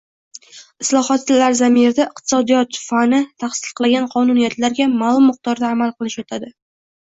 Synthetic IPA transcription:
ɪslˠɒɦɒt̪ːlaɾzamieɾd̪aɪq̚t̪ʰɪ̥sɒd̪ijɒt̪fanɪt̪ʰaχsɪ̥lqʰɨlˠaɡʲanqʰɒnʊnijat̪laɾɡʲamaːlˠʊmːʊq̚t̪ɒɾd̪aːmalˠqʰɨlˠɪʃjɒt̪ʰad̪ɪ

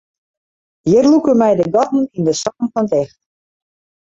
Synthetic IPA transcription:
jɪrlukəmɛjdəɡɔtn̩indəsɔːnfɔntɛxt

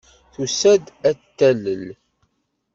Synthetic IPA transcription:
θusæd̪æt̪ːæləl

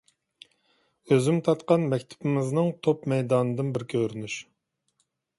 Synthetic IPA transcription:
øzymt̪ʰɑt̪qɑnmɛkʲt̪ʰɪ̥pɪmɪznɨŋt̪ʰopmɛjd̪ɑːnɨd̪ɨnbɪɾkʲʰøɾynyʃ

